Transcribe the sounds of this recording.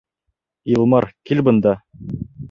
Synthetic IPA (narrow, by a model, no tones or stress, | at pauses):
ilˠmɑɾkilbɤ̆nd̪ɑ